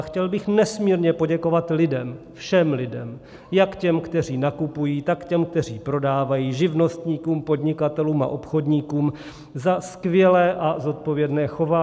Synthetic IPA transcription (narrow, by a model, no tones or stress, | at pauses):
xcɛlbɪxnɛsmiːɾɲɛpo̞ɟɛko̞vat̪lɪdɛm | fʃɛmlɪdɛ̰m | jakcɛmkt̪ɛr̝iːnakupujiːt̪akcɛmk̚t̪ɛr̝iːpɾo̞daːvajiːʒɪvno̞st̪ɲiːkuːmpo̞dɲɪkat̪ɛluːma̰ʔo̞pxo̞dɲiːkuːm | zaskvjɛlɛːʔazo̞t̪̚povjɛdnɛːxo̞vaː